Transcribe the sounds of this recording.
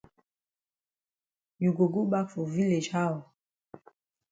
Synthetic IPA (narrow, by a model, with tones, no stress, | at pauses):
ju˨ɡo˨ɡu˦ɓa˦kfo˨vi˦le˨d͡ʒha˦wɔ˨